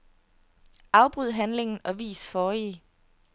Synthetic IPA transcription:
ʔɑ̈ʊb̥ʁyðˠɦænle̝ŋn̩ɒ̽ʋḭːsfɒːi

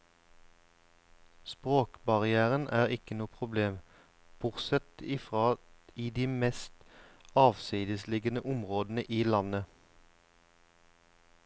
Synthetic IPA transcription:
spʁoːkbɑʁɪæːʁənʔæːʁɪkənuːpʰʁʊbleːm | b̥ʊʁsɛt̪iːfʁɑːiːd̪iːmɛst̪ɑːʋsiːd̪əslɪɡənəʔʊmʁoːd̪n̩əʔiːlɑnə

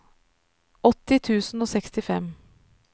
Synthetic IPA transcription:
ɔt̪ːɪt̪ʰʉːsn̩oːsɛkst̪ɪfɛm

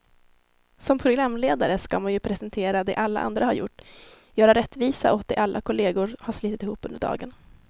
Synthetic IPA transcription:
sɔmpʰɾʊɡɾamːleːd̪aɾəskamanjɵpʰɾɛsɛnt̪ʰeːɾad̪ɛʔalːa̰ʔa̰nd̪ɾahaɾjʊ̰ʈː | jœːɾaɾɛt̪ːviːsa̰ʔɔt̪̚d̪ɛ̰ʔalːʔakʰʊleːɡʊɾhaʂliːt̪ɪt̪ɪhuːpːɵnd̪əɖɑ̰ːɡən

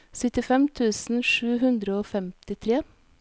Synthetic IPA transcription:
sʏt̪ɪfɛmt̪ʰʉːsn̩ʃʉːhʉnd̪ɾəoːfɛmt̪ɪt̪ʰɾeː

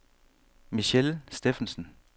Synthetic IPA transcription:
miɕelsd̥efn̩sn̩

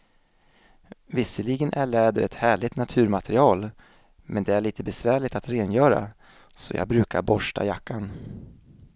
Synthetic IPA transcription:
vɪsəɭiːɡənʔæɭɛːd̪əɾɛt̪hæːɭɪt̪nat̪ʰʉ̟ːɾmat̪ʰɛɾɪɑːl | mʔɛnd̪ɛæɭiːt̪əbɛsvæːɭɪt̪at̪ɾeːnjœːɾa̰ | sɔjɑ̰ːɡ̚bɾʉ̟ːkaɾbɔʂʈa̰jakːan

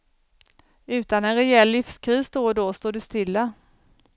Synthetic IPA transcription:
ʉ̟ːt̪anɛnɾɛɛlːɪfskʰɾiːsd̪oːd̪ɔst̪oːɖɵst̪ɪlːa

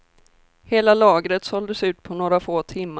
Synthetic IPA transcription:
heːlalɑːɡɾət̪sɔld̪əsʉ̟ːt̪̚pʰɔnoːɾafoːt̪ʰɪmː

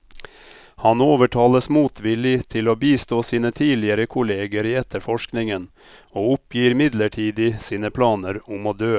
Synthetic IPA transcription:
hɑnoːʋəʈʰɑːləsmuːt̪ʰʋɪlɪt̪ʰɪloːbiːst̪oːsiːnət̪ʰiːlɪəɾəkʰʊleːɡəɾiːɛt̪ːəɾfɔʂknɪŋən | oːʊpjiːɾmɪd̪ləʈʰiːd̪ɪsiːnəpʰlɑːnəɾʊmoːd̪øː

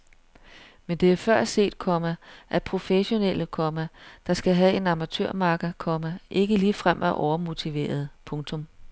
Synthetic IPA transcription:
mend̥e̝æɐfɶɐ̰se̝̰ːd̥̚kʰɒ̽mæʔæpʰʁo̝feɕo̝nel̰əkʰɒ̽mæd̥ɑ̈sɡ̥æɦæe̝nɑ̈mæt͡sʰø̰ɐ̰mɑ̈ːɡ̥kʰɒ̽mæʔe̝ɡ̥əliːfʁam̰ʔæʔɒʊɐmo̝t͡sʰiʋe̝̰ːɐð̞ˠpʰɔ̽ŋt͡sʰɔ̽m

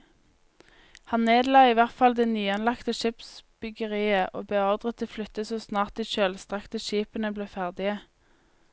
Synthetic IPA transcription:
hɑnneːd̪lɑːiːʋæʁt̪fɑld̪ɛnyːɛnlɑkt̪əʃɪpsb̥ʏɡəʁiːəʔo̰ːbəɔʁd̪ʁət̪əflʏt̪əsoːsnɑːʁt̪ɪʃøːlst̪ʁɑkt̪əʃiːpənəbleːfæʁd̪ɪə

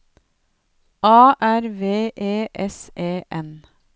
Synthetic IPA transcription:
ɑːʔæɾʋeːʔeːʔɛsʔeːʔɛn

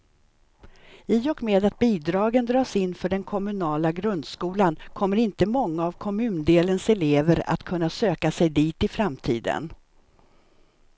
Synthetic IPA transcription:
iːɔkmeːd̪at̪̚biːd̪ɾɑːɡənd̪ɾɑːsɪnːfœɖɛnkʰɔmɵnɑːlaɡɾɵnd̪skuːlankʰɔmːəɾɪnt̪əmɔŋːaːvkʰɔmʉ̟ːnd̪eːlənsɛleːvəɾa̰t̪kʰɵnːasøːkasɛjd̪iːt̪ɪfɾamt̪ʰiːd̪ə̰n

